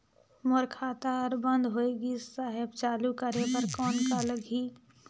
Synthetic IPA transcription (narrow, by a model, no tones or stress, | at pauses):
moɾkʰaːt̪aɾbə̃nd̪ʱɦoːeːɡisaɦɪbt͡ʃaːlukəɾepəɾkɔːnkaləɡʱiː